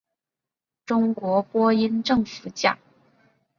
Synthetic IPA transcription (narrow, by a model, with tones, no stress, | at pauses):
ʈ͡ʂʊ˥ŋkwɔ˧˥pwɔ˥i˥nʈ͡ʂɤ˥˧ŋfu˧˩t͡ɕja̰˥˩